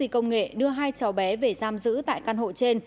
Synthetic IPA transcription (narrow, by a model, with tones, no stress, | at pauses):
i˧˩kə˧wŋ͡mŋḛ˧˨ɗɨ˧əɦaː˧jt͡ɕa˨˩wɓɛ˨˦ve˨˩zaː˧mzɨ̰˧˥t̪a̰ː˧˨jkaː˧˩nho̰˧˨t͡ɕe˧n